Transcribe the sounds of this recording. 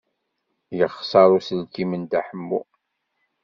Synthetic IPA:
jəχsɑɾˤusəlkimənt̪aħəmːṵ

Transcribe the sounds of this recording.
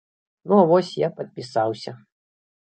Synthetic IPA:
nuavɔsʲjapɐt̪̚pʲisawsʲɐ

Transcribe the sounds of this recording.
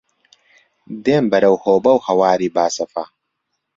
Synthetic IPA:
d̪eːmbɐɾɐwhoːbɐwhɐwaːɾiːbaːsɐfɐ

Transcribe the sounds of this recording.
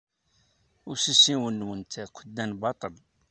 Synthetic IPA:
ʊsisiwənːwənt̪ʰækʷəd̪ːænbɑt̪ˤəl

